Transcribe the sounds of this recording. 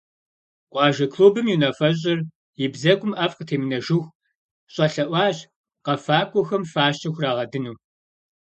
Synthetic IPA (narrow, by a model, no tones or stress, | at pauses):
qʷɑːʒɐkʰluːbɨmjunɐfɐɕ̬ʼɪr | jɪbzɐkʷʼʊmʔɐfqətʰeːmɨnɐʒɪxʷ | ɕʼɐɬɐʔʷɑːʑ | qɐfaːkʷʼɔxɐmfaːʃt͡ʃɐxʷraːʁɐdɨnuː